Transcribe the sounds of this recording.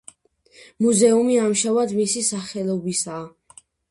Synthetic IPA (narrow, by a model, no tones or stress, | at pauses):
muzɛumiamʃavad̪misisaχɛlˠɔbisaː